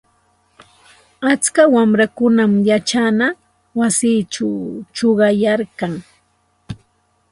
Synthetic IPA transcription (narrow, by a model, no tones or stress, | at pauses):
at͡skawamɾakʊnamjat͡ʃana | wasiːt͡ʃawt͡ʃoɢɑjaɾkaŋ